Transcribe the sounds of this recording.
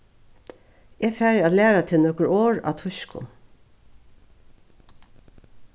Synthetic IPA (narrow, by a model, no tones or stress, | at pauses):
eːɡfæːɹɑːt̪læːɹat̪ʰɪlnɔkəɹoːɹɑ̰ːt̪ʰʊʃkʊ̰